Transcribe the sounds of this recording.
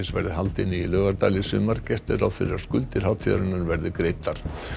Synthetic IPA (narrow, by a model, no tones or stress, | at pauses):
ɪnsvɛ̰ɾðɪhalt̪ɪnːɪilœːɣaɾt̪aːlɪsʏmaɾcɛht̪ɪɾawθfɪ̰ɾːaɾ̥skʏlt̪ɪɾ̥hawt̪ʰiða̰ɾɪnːʏɾvɛɾðɪkɾejt̪aɾ̥